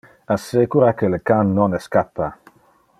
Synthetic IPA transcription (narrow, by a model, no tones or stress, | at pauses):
asekuɾakeləkanːɔnɛskapːa